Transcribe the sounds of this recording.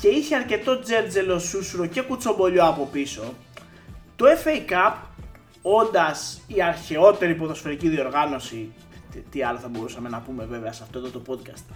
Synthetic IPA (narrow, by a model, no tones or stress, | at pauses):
ce̞içeɐɾce̞t̪o̞d͡ze̞nd͡zelo̞susuɾoce̞kut͡so̞mbo̞ʎo̞ɐpo̞piso̞ | t̪oefejkɐp | o̞nd̪ɐsiɐɾçe̞o̞t̪e̞ɾip̬oðo̞sfe̞ɾiciðio̞ɾɣɐno̞si | t̪iɐloθɐbo̞ɾusɐme̞nɐpume̞ve̞veɐsɐft̪ot̪ot̪opo̞d̪̚kɐst̪